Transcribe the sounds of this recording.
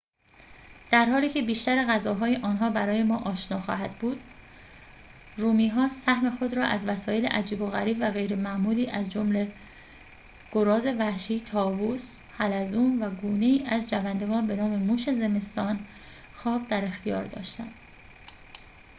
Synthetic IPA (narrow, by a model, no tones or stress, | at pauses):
d̪̥æɾɦɒːliːcʰe̞biːʃt̪æɾeɣæzɒːɦɒːjeʔɒːnɦɒːbæɾɒːje̞mɒːʔɒːʃnɒːxɒ̰ːɦæd̪̥buːd̪̥ | ruːmiːɦɒːsæhme̞xo̞d̪ɾɒːʔæzvæsɒːje̞lḛʔæd͡ʒiːbo̞ɣæɾiːbvæɣe̞jɾe̞mæʔmuːliːʔæzd͡ʒomle̞ | ɡ̥oɾɒːze̞væhʃiːt̪ʰɒːvuːshælæzuːmvæɡuːne̞iːʔæzd͡ʒævænd̪e̞ɡɒːnbe̞nɒːme̞muːʃe̞ze̞me̞st̪ɒːn | xɒːbd̪æɾe̞xt̪ijɒ̰ːɾd̪ɒ̰ːʃt̪æ̰nd̪̥